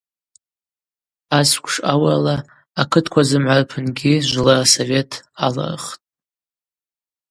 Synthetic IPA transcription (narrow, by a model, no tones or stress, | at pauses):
askʷʰʂawalaː | kʰɨtʰkʷʰazɨmʕʷarpʰɨnɡʲiʒʷlaaso̞ve̞tʰala̰r̰χtʼ